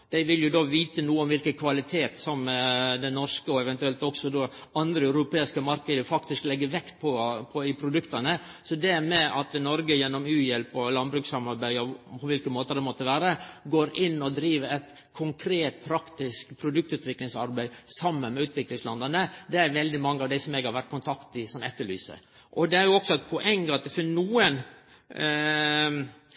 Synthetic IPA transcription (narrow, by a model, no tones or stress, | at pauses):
d̪̥æɪʋɪljʊd̪oːʋiːt̪ənuːəɔmʋɪlkənkʰʋɑlɪt̪ʰeːt̪sɔmːɛd̪ɛnɔɾʂkəɔɛʋɛnt̪ʉɛlt̪ɔksɔd̪oɑnd̪ɾəɑʉɾʊpeːɪskəmɑɾkəd̪əfɑkt̪ɪsklɛɡːəʋɛkt̪̚pʰɔpʰɔɪpʰɾʊd̪ʉkt̪ɑnəsɔd̪ɛmɛʔɑt̪nɔɾɡəjɛnːɔmʉːjɛlpɔlɑnbɾʉːksɑmɑɾbæɪɔpʰɔʋɪlkəmoːt̪əd̪ɛmɔt̪ːəʋæːɾəɡoːɾɪnːɔd̪ɾiːʋəɛt̪ | kʰʊŋkʰɾeːt̪̚pʰɾɑkt̪ɪskpʰɾʊd̪ʉk̚t̪ʉːt̪ʋɪklɪŋsɑɾbæɪsɑmːənmɛʉːt̪ʋɪklɪŋslɑnd̪ɑnəd̪ɛæɾʋɛld̪ɪmɑŋːəɑʋd̪æɪsɔmɛːɡhɑɾʋæʈt̪̚kʊnt̪ʰɑkt̪ɪsɔmɛt̪ːəɭy̰ːsə̰ | ʔɔd̪ɛæɾjʊɔksɔɛt̪̚pʰɔʔɛŋːɑt̪̚d̪ɛfɪnuːən